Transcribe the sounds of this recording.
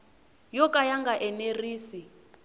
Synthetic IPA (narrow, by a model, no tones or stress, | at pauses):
jɔkʼajaŋɡaʔɛneriːsi